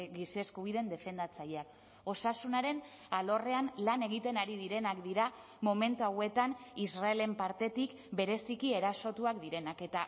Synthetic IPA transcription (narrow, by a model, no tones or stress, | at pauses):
ɡise̞skuβ̞iðe̞nd̪e̞fe̞nd̪at͡saʎeak | o̞sasunaɾe̞nalo̞re̞anlane̞ɣit̪e̞naɾiðiɾe̞nakd̪iɾa | mo̞me̞nt̪uawe̞t̪anisrae̞le̞mpaɾt̪e̞t̪ik | be̞ɾe̞sikie̞ɾaso̞t̪uakd̪iɾe̞nake̞t̪a